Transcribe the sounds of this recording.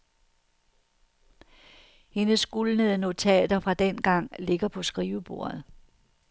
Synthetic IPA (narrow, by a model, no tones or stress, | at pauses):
he̝nəsɡ̥ulnəðˠəno̝t͡sʰɛ̰ːd̥ɐfʁɑ̈d̥en̰ɡ̥ɑ̈ŋ̰le̝ɡ̥ɐpʰɒ̽sɡ̥ʁiːʊəb̥o̝ːɐð̩ˠ